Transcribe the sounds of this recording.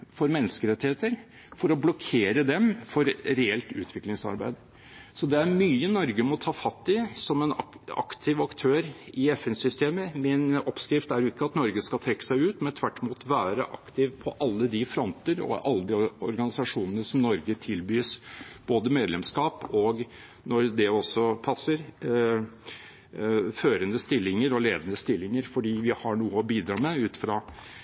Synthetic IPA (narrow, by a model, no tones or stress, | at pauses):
fɔɾmɛnːəskəɾɛt̪ːɪheːt̪əɾ | fɔɾɔblɔkʰeːɾəd̪ɛmfɔɾɾɛɛlt̪ʉ̰ːt̪ʰʋɪklɪŋsɑ̰ɾbæ̰ɪd̪ | sɔd̪ɛæɾmyːənɔɾɡəmɔt̪ʰɑːfɑt̪ːɪsɔmɛnɑɑ̰kt̪ʰɪʋɑkt̪ʰøːɾɪɛfɛnsʏst̪eːməmɪnɔpskɾɪft̪æɾjʊɪkːəɑt̪nɔɾɡəskɑt̪ʰɾɛkːə̥sæɪʉːt̪mɛnt̪ʰʋæʈːɪmuːt̪ʋæːɾə̰ʔɑ̰kt̪ɪʋpʰɔʔɑlːəd̪ɪfɾɔnt̪əɾɔ̰ʔɑlːəd̪ɪɔɾɡɑnɪsɑʂuːnənəsɔmnɔɾɡət̪ʰɪlbyːsb̥oːd̪əmeːd̪lɛmskɑːpɔɡ | nɔɾd̪ɛɔsːɔpʰɑsːəɾ | føːɾənəst̪ɪlːɪŋəɾɔleːd̪ənəst̪ɪlːɪŋəɾfɔɖiːʋɪhɑɳuːəɔbiːd̪ɾɑːmɛʉːt̪fɾɑː